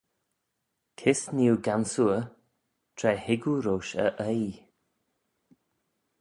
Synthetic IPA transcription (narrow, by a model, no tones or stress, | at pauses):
kʰɪsniwɡansuə | tʰɾɛhɪɡuɾoːʃə̰ʔəj